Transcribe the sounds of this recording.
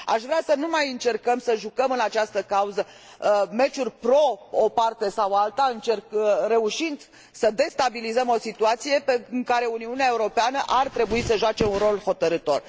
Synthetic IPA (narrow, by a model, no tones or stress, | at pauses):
a̰ʃvɾeasənumajɨnt͡ʃe̞rkəmsəʒukəmɨnat͡ʃast̪əkauzə | me̞t͡ʃurʲpɾo̞opart̪e̞sawalt̪aɨnt͡ʃe̞rkre̞uʃind̪ | səd̪e̞st̪abilizəmo̞sit̪uat̪sije̞peɨŋkaɾe̞uniuneaeuɾo̞peanəʔart̪ɾe̞buisəʒoat͡ʃe̞unro̞lho̞t̪əɾɨt̪o̞r